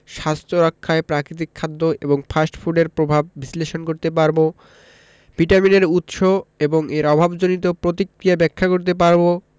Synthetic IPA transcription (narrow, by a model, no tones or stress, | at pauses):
ʃast̪ʰɾoɾakʰːaepɾakɾit̪̬ikʰːad̪ːoʔeboŋfʰasʈfʰuɖeɾpɾobʱabːisleʃonkoɾt̪epaɾbo | b̥ʱiʈamineɾut̪ʃoeboŋeɾɔbʱabd͡ʑonit̪opɾot̪ikɾiabɛkʰːakoɾt̪ep̬aɾbo